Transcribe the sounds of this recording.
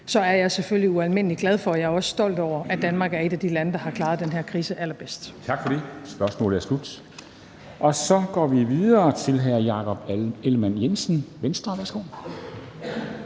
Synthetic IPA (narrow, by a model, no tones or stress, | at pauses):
sɒ̽æɐjɑ̈ɪseføljiuælme̝n̰əliɡ̥lɛð̞ˠfɒ̽ɒjɑ̈ɐɒ̽sə̥sd̥ɒ̽l̰d̥ɒʊ̰ɐʔæd̥ænmɑ̈ːɡ̥æɐe̝ɾ̥æd̥ilænəd̥ɑ̈hɑ̈kʰlɑ̈ːð̞ˠd̥enɦeɐ̰kʰʁiːsəʔæl̰ɐb̥esd̥t͡sʰɑ̈ɡ̥fɒ̽d̥e̝sb̥ɶɐsmɔ̰ːləjæslud̥ | ʔɒ̽sɒ̽ɡ̥ɒ̰ːʋiʋiðˠɐːt͡sʰe̝lɦæɐ̰jɑ̈kʰɒ̽b̥elmænjensn̩ʋensd̥ʁɐʋæɐsɡ̥o̝̰ː